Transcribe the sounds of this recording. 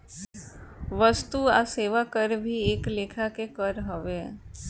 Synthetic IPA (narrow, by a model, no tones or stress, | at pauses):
ʋəst̪uaseːʋakəɾbʱieːkleːkʰakekəɾɦəʋeː